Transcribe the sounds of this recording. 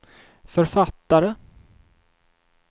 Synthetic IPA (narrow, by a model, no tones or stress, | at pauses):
fœɾfat̪ːaɾə